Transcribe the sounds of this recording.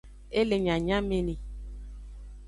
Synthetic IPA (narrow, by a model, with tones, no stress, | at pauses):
e˦le˨ɲã˨ɲã˦me˦ni˨